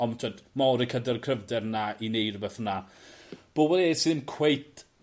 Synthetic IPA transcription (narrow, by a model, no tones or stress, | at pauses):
ɔmtʰwadmɔɾikʰədərkʰrəvdɛrnainejrbɛθəna | b̥oːwɛdesɨðəmkʰw̥ejt